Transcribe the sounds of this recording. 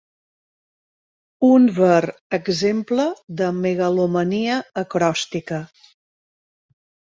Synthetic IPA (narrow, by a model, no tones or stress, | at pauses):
unvərəɡzempləðəmeɣəluməniəːkɾɔst̪ikə